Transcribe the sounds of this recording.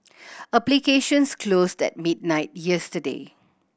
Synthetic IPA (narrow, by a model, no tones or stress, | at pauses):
aplikeʃə̃nskʰlosdɛ̰t̚mid̚naɪt̚jɛstədḛ